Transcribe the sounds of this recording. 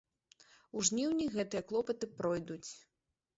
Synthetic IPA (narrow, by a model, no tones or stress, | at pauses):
uʐnʲiwnʲiɣɛt̪ɨjɐklˠɔpɐt̪ɨpɾɔjd̪ut͡sʲ